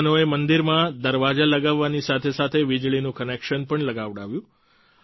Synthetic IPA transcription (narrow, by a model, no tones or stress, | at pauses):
noemənd̪iɾmãd̪əɾʋad͡ʒaləɡaʋːanisat̪ʰesat̪ʰeʋid͡ʒɭinũkənekʃənpəɳləɡaʋɽaʋjũ